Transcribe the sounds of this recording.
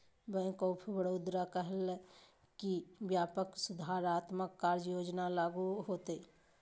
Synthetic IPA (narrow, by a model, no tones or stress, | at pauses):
bə̃koːpʰibəɽoːd̪ɾakəɦəl | kibjaːpəksʊd̪ʱaːɾaːt̪məkːaːɾd͡ʒəjoːd͡ʒnalaːɡuɦoːt̪eː